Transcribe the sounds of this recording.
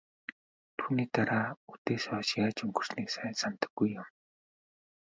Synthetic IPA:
t̪ʰuːniːt̪aɾaːut̪eswaʃjaːt͡ɕuŋɡɵr̥sniksajnsamt̪ə̥̆ɡ̥ujːam

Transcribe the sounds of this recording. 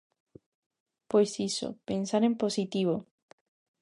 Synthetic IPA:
pwesiso̰pensaɾe̞mposit̪iβo

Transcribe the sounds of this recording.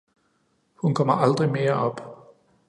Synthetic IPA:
hunkʰɒ̽m̰ɐʔɑ̈ld̥ʁime̝ːɐʔɒ̽b̥

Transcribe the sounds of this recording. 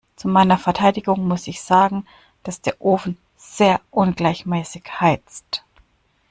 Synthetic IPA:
t͡sumaɪnɐfɛɐtʰaɪdɪɡʊŋmʊsɪçz̥aːɡŋ̩ | d̥asd̥eːɐʔoːfn̩ | z̥eːɐʔʊnɡlaɪçmɛːsɪçhaɪt͡st

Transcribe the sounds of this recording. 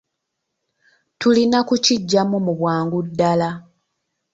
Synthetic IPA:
tulinakuciɟːamumuβwaːŋɡudːala

